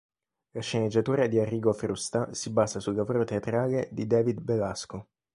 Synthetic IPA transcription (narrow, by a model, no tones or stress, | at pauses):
laʃːened͡ʒːat̪uːɾad̪iarːiːɡofɾust̪asibaːzasulːapɾot̪eat̪ɾaːled̪id̪ɛːvid̪belasko